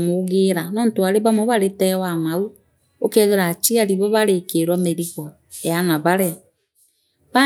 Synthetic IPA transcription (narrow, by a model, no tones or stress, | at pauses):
moɣeɾanɔn̩toaɾeβamoβaɾetɛwamau | okeðeɾat͡ʃiaɾiβɔβaɾekeɾameɾiɣɔ | ejanaβaɾea | βa